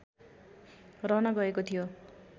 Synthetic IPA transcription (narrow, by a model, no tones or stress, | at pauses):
rʌnaɡʌekot̪ʰijo